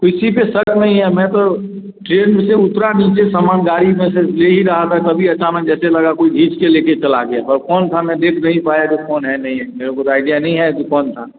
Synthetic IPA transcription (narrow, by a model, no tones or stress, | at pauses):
koɪsipesəɾknɐɦĩɦɛmɛ̃t̪o | ʈɾeːɖmẽseʊt̪ɾaniːt͡ʃesamaːnɡaːɾimẽseleɦiɾɐɦat̪ʰat̪ɐbʱiɐt͡ʃaːnək̚d͡ʒɛːselɐɡakoːiɡʱiːt͡ʃkeleːket͡ʃɐla̰ɡejaɔɾkɔːnt̪ʰamɛ̃d̪eːkʰnɐɦĩpaːjakokʰoːnɦɛnɐɦĩɦɛmeːɾekot̪aːɪɖijanɐɦĩɦɛkikɔːnt̪ʰa